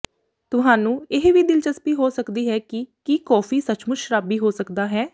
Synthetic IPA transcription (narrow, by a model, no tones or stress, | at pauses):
t̪ʊɦaːnũːɪɦʋiːd̪ɪlt͡ʃəspiːɦoːsəkd̪iːɦɛːkɪkiːkɔːfʰiːsət͡ʃʰmʊʃɾaːbiːɦoːsəkd̪aːɦɛː